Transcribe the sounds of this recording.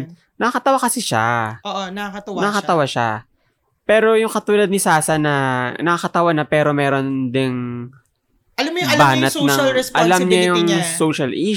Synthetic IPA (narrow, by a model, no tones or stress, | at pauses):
nɐkɐt̪ɐwakɐsɪʃa̰ʔoʔnɐɐt̪ɐwnnɐɐɐt̪ɐwaʃa | pɛːɾo̞jʊŋkɐt̪uːlɐd̪̚nɪsaːsɐnɐnɐkakɐt̪ɐwanɐpɛːɾo̞mɛːɾo̞nd̪ɪŋ | ɐɐmbaːnɐt̪nɐɛsɐlamɲajʊŋsoːʃɐlʔi